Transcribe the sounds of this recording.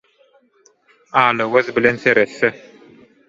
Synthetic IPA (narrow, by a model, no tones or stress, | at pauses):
ɑːlɯwøðbilenθeɾeθːe